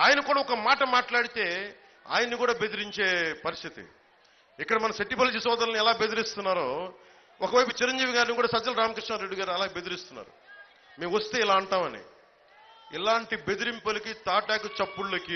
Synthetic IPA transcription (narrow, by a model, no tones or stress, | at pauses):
aːjɐnɐkuːɽaːɔkɐmaːʈɐmaːʈlaːɽit̪e̞ː | a̰ːjɐnːikuːɽaːbe̞d̪iɾiɲt͡ʃe̞ːpɐɾist̪ʰit̪ḭ | ikːɐɽɐmɐnɐʃeʈːipɐlt͡ʃisɔːd̪ɐlɐniɛlaːbed̪iɾist̪unːaːɾoː | ɔkɐʋɐjput͡ʃiɾɐɲd͡ʒiːʋiɡaːɾnikuːɽaːsɐd͡ʒɐlɐɾaːmɐkɾiʂnaːɾeɖːiɡaːɾɐlaːɡebe̞d̪iɾist̪unːa̰ːɾṵ | meːʋʋɐst̪e̞ːilaːɐɳʈaːmɐnḭ | ilaːɳʈibe̞d̪iɾimpɐlikit̪aːʈaːkut͡ʃɐpːuɭlɐki